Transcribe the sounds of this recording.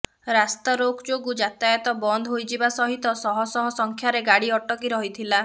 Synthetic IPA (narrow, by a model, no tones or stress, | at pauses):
ɾast̪aɾoɡd͡ʒoɡud͡ʒat̪ajɔt̪ɔbɔnd̪ʱɔɦojd͡ʒibasɔɦit̪ɔsɔɦɔsɔɦɔsɔŋkʰjaɾeɡaɽiɔʈɔkiɾɔɦit̪ʰila